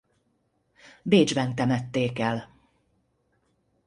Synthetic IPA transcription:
beːd͡ʒbɛnt̪ɛmɛt̪ːeːkɛl

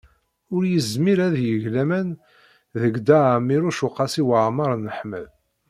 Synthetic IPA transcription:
ʊɾjəzmiɾæðjəʝlæmæn | ðəɡd̪aʕmːiɾuʃʊqːɑsiwəʕmɑɾˤnəħmə̰ð

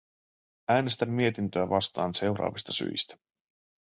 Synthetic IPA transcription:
æːne̞st̪æmːie̞t̪int̪øæʋɑst̪ɑːnse̞wɾɑ̰ːʋist̪ɑsy̰jst̪æ̥

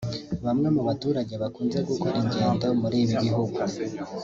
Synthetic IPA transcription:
βamŋe̞muβatuːɾaɟe̞βakuːnze̞ɡukoɾiɲɟeːndamuɾeːβiɟiɦuɡu

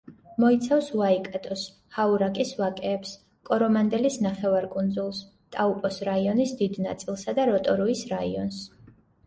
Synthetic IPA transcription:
mɔit̪sʰafsuaikʼɛt̪ʼɔs | hauɾakʼisvakʼɛːps | kʼɔɾɔmand̪ɛlisnaχɛvaɾkʼund̪zulˠs | t̪ʼaupʼɔsɾaiɔnisd̪id̪na̰t̪sʼilˠsad̪aɾɔt̪ʼɔɾɔisɾaiɔns

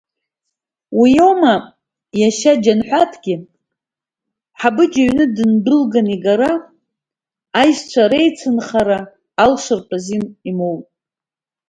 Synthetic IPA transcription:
wijo̞ma | jaʃad͡ʒanħʷatʰɡ̥ʲɪ | ħabɨd͡ʒaɥnɨdɨndɨlɡaniɡaɾa | jʃt͡ʃʷʰaɾejt͡sʰɨnχaɾaː | lʂɨrpʰʼazinimowpʼ

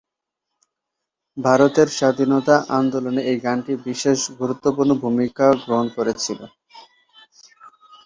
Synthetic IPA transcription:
bʱaɾot̪eɾʃad̪ʱinot̪aʔand̪oloneejɡanʈibiʃeʃɡʱuɾut̪ːopuɾnobʱumikaɡɾoɦonkoɾet͡ɕʰilo

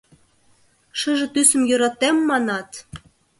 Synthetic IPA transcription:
ʃə̆ʒĕt̪ysə̆mjø̆ɾɑt̪emːɑnɑt̪

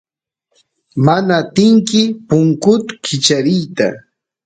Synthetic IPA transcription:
manat̪ɪŋkɪpʊŋkʊt̪kʰɪt͡ʃaɾɪjt̪a̰

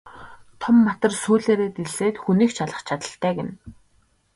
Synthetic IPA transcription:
t̪ʰɔmːat̪ə̆rsuːɮeːɾeːt̪iɮseːt̪xuniːkt͡ɕʰaɮə̆χt͡ɕʰat̪ə̆ɬt̪æːɡĕn

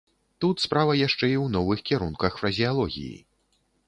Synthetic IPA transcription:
t̪ut̪spɾavɐjaʂt͡ʂɛiwnɔvɨxkʲiɾunkɐxfɾɐzʲialˠɔɣʲḭjḭ

